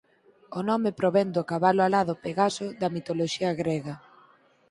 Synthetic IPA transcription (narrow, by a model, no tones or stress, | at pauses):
onɔmepɾoβɛnd̪okaβaloalaðʊpeɣasʊðɐmit̪oloʃiɐɣɾeɣɐ